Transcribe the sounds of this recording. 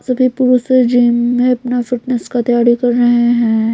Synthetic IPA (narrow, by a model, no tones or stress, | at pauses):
sɐbʱipuɾused͡ʒiːmːẽɐpnafɪʈnəskat̪ɐjaːɾikɐɾːɐɦeɦɛ̃ː